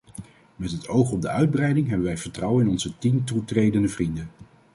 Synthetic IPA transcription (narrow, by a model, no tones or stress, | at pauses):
mɛtɦətʰowχɔb̚dəœɥd̚brɛjdɪŋɦɛbəʋɛjv̥əɹtrɑwənɪnɔnzətintutrejdəndəvrindən